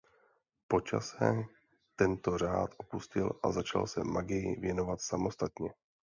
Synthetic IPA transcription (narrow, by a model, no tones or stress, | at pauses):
po̞t͡ʃa̰sɛ | t̪ɛnt̪o̞ɾ̝aːt̪ʔo̞puscɪlʔa̰zat͡ʃa̰lsɛmaɡɪjɪ̰vjɛno̞vat̪samo̞st̪at̪ɲɛ